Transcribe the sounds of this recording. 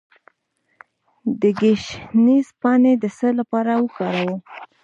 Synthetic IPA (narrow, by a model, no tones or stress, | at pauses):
d̪əɡeʃnizpɑned̪əsəlapɑɾawəkɑɾawə